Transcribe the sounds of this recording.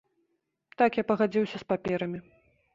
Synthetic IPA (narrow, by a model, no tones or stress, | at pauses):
t̪akjapɐɣad͡zʲiwsʲɐspapʲɛɾɐmʲi